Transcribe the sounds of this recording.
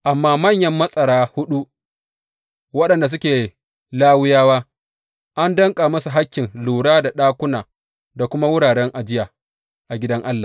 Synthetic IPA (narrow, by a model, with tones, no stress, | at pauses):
ʔa˨mːaː˦mɐ˦˨ɲjɐ˦mːɐ˦sʼɐ˨ɽaː˦hʊ˦ɗu˦ʔ | wɐ˦ɗɐ˨nda˨s̬ʊ˦kʲeː˨ | laː˦wʊ˦jaː˦waː˦ | ʔa˦ndɐ˦ŋkʼaː˨mɐ˦su˨ɦa˦kʲːɪ˨nluː˨ɽaː˦da˨ɗaː˦kʷʊ˦naː˨ | da˨kʷʊ˦ma˦wʊ˦ɽaː˨ɾɛ˦ŋʔa˨d͡ʒɪ˦jaː˨ | ʔa˨ɡʲɪ˦dɐ˦ŋʔa˦lːa˨